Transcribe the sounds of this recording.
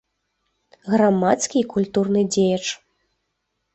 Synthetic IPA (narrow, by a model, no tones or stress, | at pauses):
ɣɾamat̪skʲiːkulʲt̪urnɨd͡zʲejɐt͡ʂ